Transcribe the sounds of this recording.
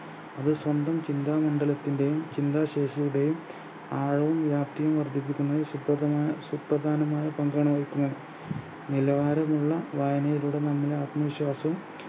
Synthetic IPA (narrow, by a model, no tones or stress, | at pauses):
ɐðɨswɐnd̪ɐmt͡ɕind̪aːmɐɳɖɐlɐt̪ːinde̞jumt͡ɕind̪aːɕeːʂɐjuɽe̞jum | aːɻɐʋɐmʋjaːpt̪ijɐmʋɐrd̪ʱip̬ːikʲːunːɐðɨsuprɐd̪ɐsuprɐd̪ʱaːnɐmaːjɐpɐŋɡɐɳɐmɐjikʲːunːɐðɨ | nilɐʋaːɾɐmuɭːɐʋaːjɐnɐjiluɽe̞nɐmːɐlaːt̪mɐʋiɕwaːsɐum